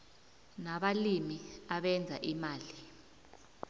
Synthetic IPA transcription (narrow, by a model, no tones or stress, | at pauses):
naɓalimiaɓɛnd͡zʱa̰ʔimaːli